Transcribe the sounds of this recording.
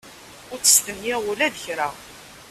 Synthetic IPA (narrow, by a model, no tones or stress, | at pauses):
ʊɾt͡sːə̥st̪ənjæulæðəçɾa